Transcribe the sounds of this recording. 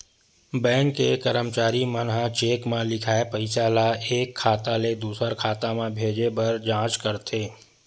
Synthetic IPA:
bɛ̃ːŋkːekəɾəmt͡ʃaːɾimənɦat͡ʃeːkmãlɪkʰaːepəɪsaːlaeːkʰːaːt̪aled̪uːsəɾkʰaːt̪amãbʱeːd͡ʒebɐɾd͡ʒãːt͡ʃkəɾt̪ʰeː

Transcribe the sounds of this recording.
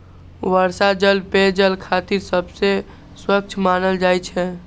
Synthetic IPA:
ʋəɾsad͡ʒəlped͡ʒəlkʰat̪iɾsəbse | swək̚t͡ʃʰmanəld͡ʒajt͡ʃʰɛ

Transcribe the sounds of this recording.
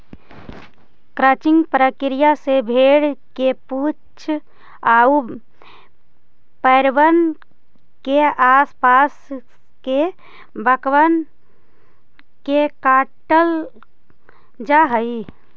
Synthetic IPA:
kɾət͡ʃɪ̃ŋɡpɾəkɪɾijasebʱeːɽkepu | t͡ʃʰ | au | pəɾʋən | keaspas | ke | bəkʋən | kekaːʈəl | d͡ʒaɦəi

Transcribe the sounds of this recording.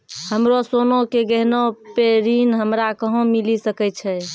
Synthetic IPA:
həmɾosonokeɡəɦnopeɾinɦəmɾakəɦõmilisəkɛt͡ʃʰɛ

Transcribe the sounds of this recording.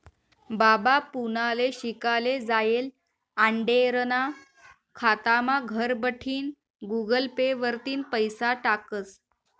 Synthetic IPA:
babapunaleɕikaled͡zajel | aɳɖeɾəna | kʰat̪amaɡʱəɾbəʈʰiːn | ɡuɡəlpeʋəɾt̪iːnpəjsaʈakət͡s

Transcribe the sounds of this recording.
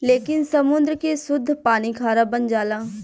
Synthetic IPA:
leːkɪnsəmʊnd̪ɾkesʊd̪ʱːpaːniːkʰaːɾaːbənd͡ʒaːlãː

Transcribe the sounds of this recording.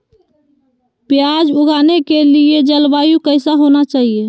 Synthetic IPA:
pjad͡ʒuɡanekelied͡ʒəlbajukəɪsaɦonat͡ʃaɦie

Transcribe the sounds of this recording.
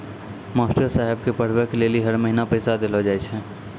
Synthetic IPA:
maːsʈəɾsaːɦɪbkepəɽ̤wekeleːliɦɐɾmɐɦinapəɪsad̪elod͡ʒaːet͡ʃʰɛː

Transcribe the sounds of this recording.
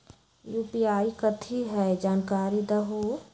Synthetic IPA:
juːpiaːikɐt̪ʰiɦɛd͡ʒaːnkaːɾid̪ɐɦoː

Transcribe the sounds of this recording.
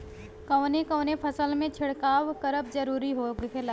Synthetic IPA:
kɐːnekɐːnepʰəsəlmẽt͡ʃʰɪɽkaːʋkəɾəp̚zəɾuːɾiɦoːɡkela

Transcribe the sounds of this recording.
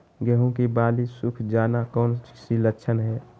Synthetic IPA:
ɡɛɦõkibaːlisʊkʰd͡ʒaːnakɔːnt͡ʃsilətːʃʰənɦɛː

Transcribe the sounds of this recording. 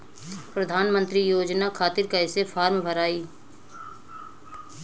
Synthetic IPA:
pɾəd̪ʱaːnmə̃nt̪ɾijoːd͡ʒnakʰaːt̪ɪɾkɐɪsefʰaːɾmbʱəɾaːiː

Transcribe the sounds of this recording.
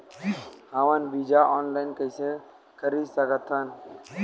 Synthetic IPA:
haʋənbid͡ʒaʔɔnlaɪnkəjse | kəɾisəɡət̪ʰːən

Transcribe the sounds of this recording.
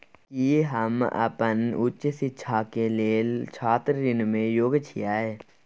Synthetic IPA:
kiɦəmə̰pənʊt͡ʃsɪt͡ʃʰakeleːlt͡ʃʰaːt̪ɾɾɪnmẽjoːɡt͡ʃʰijaːeː

